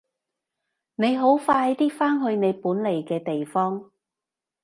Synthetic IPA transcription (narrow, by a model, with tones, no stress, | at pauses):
ne˨˧jɦo˨˥wfaː˧˨˧jt̪iː˥faː˥nɦɵ˧ɥne˨˧jpuː˨˥nle˨jkɛː˧t̪e˨jfɔː˥ŋ